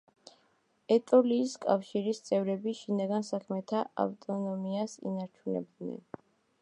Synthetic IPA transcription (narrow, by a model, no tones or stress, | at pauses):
ɛt̪ʼɔliːskʼafʃiɾist̪sʼɛvɾɛbiʃinaɡansakʰmɛt̪ʰaa̰ft̪ʼɔnɔmiasḭnaɾt͡ʃʰunɛ̰b̚d̪nɛ̰n